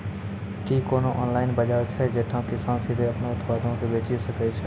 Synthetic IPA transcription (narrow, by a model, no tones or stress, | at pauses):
kikoːnõʔɔːnlaːɪnbəd͡ʒaːɾt͡ʃʰɛd͡ʒeːt̪ʰãkɪsaːnsɪd̪ʱeɐpneʊt̪paːd̪ʱõkebeːt͡ʃisəkɛt͡ʃʰɛ